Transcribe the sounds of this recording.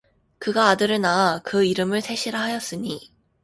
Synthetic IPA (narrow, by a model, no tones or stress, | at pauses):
kɯɡaːdɯɾɯnaakɯiɾɯmɯɭtʰe̞ɕʰiɾaɦajʌs͈ɯɲi